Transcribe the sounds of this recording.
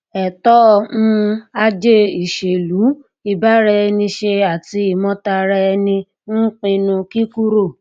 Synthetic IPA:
ɛ˨tɔ˦˧˨mũ˦a˧d͡ʒe˦i˨ʃe˨lu˨˦ | i˨ba˨˦ɾɛ˧˦˧nĩ˧ʃe˧a˨ti˧i˦˨mɔ̃˧ta˧ɾɛ˧nĩ˧ | n̩˦k͡pĩ˧nũ˧ki˦ku˦ɾo˦˨

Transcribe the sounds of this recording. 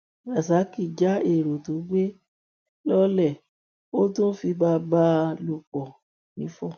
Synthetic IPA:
a˨sa˨˦ki˨d͡ʒa˨˦e˦˨ɾo˨to˨˦ɡ͡be˦ | lɔ˦lɛ˦˨ | o˦tũ˦fi˧ba˧˦ba˧˦lo˦˨k͡pɔ˨ | nĩ˨˦fɔ˦˨

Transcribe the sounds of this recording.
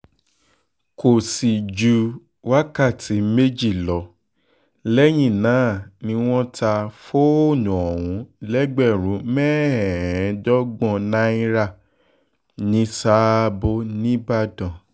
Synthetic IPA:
ko˨si˨d͡ʒu˨˧ | wa˦ka˦˨tʰi˨˦me˦d͡ʒi˦˨lɔ˨˦ | lɛ˦j̃ĩ˦˨nãː˨˦˨nĩ˧w̃ɔ̃˦ta˧fo˦o˦˨nũ˨ɔ˨wũ˨˦lɛ˦ɡ͡bɛ˦˨ɾũ˨˦mɛ˦ɛ˨ɛ̃˨˦dɔ˦ɡ͡bɔ̃˧˨nã˦ĩ˦ɾa˦˨ | nĩ˧˦sa˦bo˧nĩ˦ba˦˨dɔ̃˨

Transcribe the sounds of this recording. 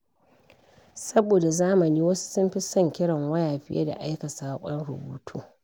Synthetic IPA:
sɐ˦boː˨da˨zaː˦mɐ˨niː˦wɐ˦su̥˦sʊ˦mɸi˦sɐ˦˨ŋkʲɪ˦ɽɐ˨ŋwɐ˦jaː˨ɸɪ̰˦jḛ˦da̰˨ʔa˦jkɐ˨saː˦kʷʼɔ˦nɽʊ˨buː˦tʰuː˦

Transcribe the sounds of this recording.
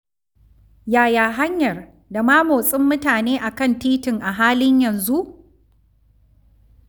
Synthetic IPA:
jaː˨jaː˨ɦa˦ɲjɐ˨r | da˨maː˦moː˨sʼɪ˦mːʊ˦taː˨neː˦ʔa˨kɐ˦˨ntiː˦tɪ˨ŋʔa˨ɦaː˦lɪ˦ɲjɐ˨nzu˦ʔ

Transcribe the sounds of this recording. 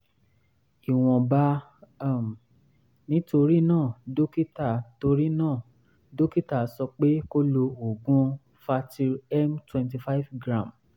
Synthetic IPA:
i˨w̃ɔ̃˨ba˧˦ | a˦˨m˨ | nĩ˨˦to˧ɾi˦nãː˦˨do˦ki˦ta˨to˧ɾi˦nãː˦˨ | do˦ki˦ta˦˨˦sɔ˧k͡pe˦ko˦lo˧o˨ɡũ˦ | fa˧ti˧ɛ˦mtwɛ̃˧nt̬i˧fa˦i˦vɡɾã˦˨m

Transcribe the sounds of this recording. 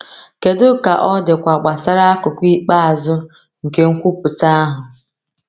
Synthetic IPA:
ke˨dʊ˦ka˨ʔɔ˦dɪ˨kʷa˨k͡pa˨sa˦ɾa˦a˦kʊ˨kʷi˦k͡pa˦a˨zʊ˦ | ŋ̩˨ke˦ŋ̩˦kʷu˦pʊ˨ta˦a˦ɦʊ˨

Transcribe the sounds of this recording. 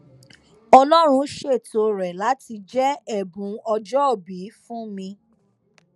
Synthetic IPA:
ɔ˧lɔ˦ɾ̃ũ˧ʃe˦˨to˨ɾɛ˨la˨˦ti˧d͡ʒɛ˦ɛ˦˨bũ˨˦ɔ˧d͡ʒɔ˦o˦˨bi˨˦fũ˦mĩ˧

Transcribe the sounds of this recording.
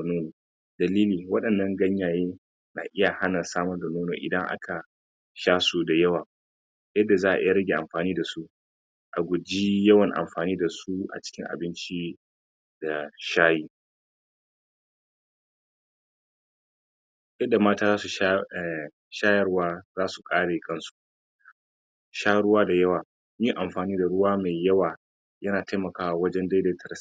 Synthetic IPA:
noː˦noː˨ | dɐ˨liː˦liː˨wɐ˦ɗɐ˨nːɐ˦ŋɡɐ˦ɲjaː˨jeː˦ | na˨ʔɪ˦ja˨ha˦na˨saː˦mɐ˦rda˨noː˦no̰ː˨ʔɪ̰˨dɐ˦ŋʔa̰˦kʰa˨ | ʃaː˦su˨da˨jɐ˦waː˨ | jɐ˦dːa˨zaː˦ʔa̰˨ʔɪ̰˦ja˨ɾɐ˦ɡʲeː˨ʔa̰˨mɸaː˨niː˦da˨su˦ | ʔa̰˨ɡʷʊ˨d͡ʒi˦jɐ˦wɐ˨ŋʔa̰˨mɸaː˨niː˦da˨su˦ʔa̰˨t͡ʃɪ̥˦kʲɪ˦ŋʔa̰˨bɪ˦nt͡ʃi˦ | da˨ʃaː˦jiː˦ | jɐ˦da˨maː˦taː˦zaː˦su˨ʃ | ʃaː˦jɐ˦rwaː˦zaː˦su˨kʼaː˦ɽa˨jɪ˦kʼɐ˦nsu̥˨˦ | ʃaː˦ɽʊ˦waː˦da˨jɐ˦waː˨ | miː˦ʔa˨mɸaː˨niː˦da˨ɽʊ˦waː˦me˨jjɐ˦waː˨ | jɐ˦naː˨ta˦jmɐ˨kaː˦wa˨wɐ˦d͡ʒɛ˦nda˦deː˦tʰɐ˨ɾs

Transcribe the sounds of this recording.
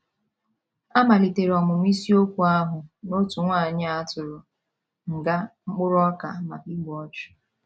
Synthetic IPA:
a˦ma˨li˨te˨ɾɔ˨mʊ˨m̩˦i˦si˦o˦kʷu˨a˦ɦʊ˨no˦tu˨ŋʷa˦˨ɲɪ˦a˦tʊ˨ɾʊ˨ | ŋ̩˨ɡa˦ŋ͡m̩˦k͡pʊ˦ɾʊ˦ɔ˦ka˨ma˨ki˦ɡ͡bɔ˦t͡ʃʊ̥˨

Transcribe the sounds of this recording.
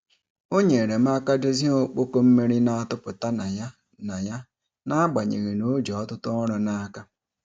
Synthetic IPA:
o˦ɲe˨ɾe˨m̩˦a˦ka˦de˦zi˦o˦k͡po˦ko˦m̩˦me˦ɾi˦na˦a˦tʊ˦pʊ˨ta˦na˨ja˦ | na˨ja˦ | na˦a˦ɡ͡ba˨ɲḛ˨ɣe˨no˦d͡ʒɔ˨ɔ˦tʊ˦tʊ˦ɔ˦ɾɔ˨na˦ka˦

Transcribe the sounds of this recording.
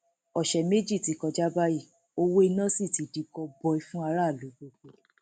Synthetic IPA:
ɔ˨ʃɛ˨me˦d͡ʒi˦˨ti˨˦kɔ˧d͡ʒa˦ba˦ji˦˨ | o˧wo˦i˧nã˦si˦˨ti˨˦di˨˦kɔ˧bɔ˧i˧fũ˦a˧ɾa˦˨lu˨˦ɡ͡bo˧ɡ͡bo˨

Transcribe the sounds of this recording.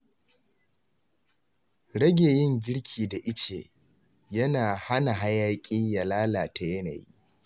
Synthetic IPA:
ɽɐ˦ɡʲeː˨jɪ˦˨ŋɡʲɪ˦ɽkʲʰiː˨da˨ʔɪ˦t͡ʃḛː˨ | jɐ˦naː˨ha˦na˨ɦa˦jaː˦kʲʼɪ˦ɲja˨laː˦laː˨tʰa˨jɐ˦na̰˨jḭ˦

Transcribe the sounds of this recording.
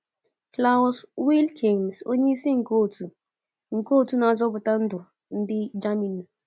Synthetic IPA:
kla˦wswi˦lkʰi˨nso˦ɲe˦i˦si˦ŋ̩˨ko˦˨tu˨ | ŋ̩˨ko˦˨tu˦na˨˦zɔ˦bʊ˨ta˦n̩˦dʊ˨ | n̩˦dɪ˦d͡ʒa˦mi˨ni˨

